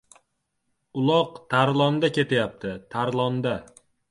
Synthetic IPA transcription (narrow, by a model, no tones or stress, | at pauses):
ʊlˠɒqt̪ʰaɾlˠɒnd̪akʲe̞t̪ʰajap̚t̪ʰɪt̪ʰaɾlˠɒnd̪a